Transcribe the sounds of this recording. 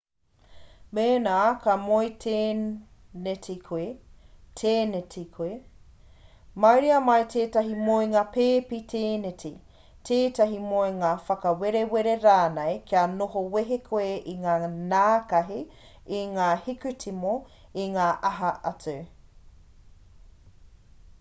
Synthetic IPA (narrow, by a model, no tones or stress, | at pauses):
meːnaːkamoitʰe | netikʰe | tʰeːnetikʰe | mɐjɾiɐmɐjtʰeːtɐɦimoeŋaːpeːpitʰeːneti | tʰeːtɐɦimoeŋaːfɐkɐweɾeweɾeɾaːnejkianoɦoweɦekʰoeʔiŋaːnaːkɐɦi | iŋaːhikʉtimo | iŋaːʔɐɦɐʔɐt͡sʉ